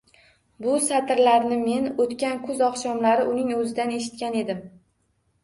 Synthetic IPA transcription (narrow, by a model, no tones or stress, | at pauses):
bʊsat̪ʰɾlaɾnɪme̞not̪kʲankʰʊzɒqʃɒmlaɾɪʔʊnɪŋɵzɪd̪aneʃɪ̥t̪̚kʲane̞d̪ɪm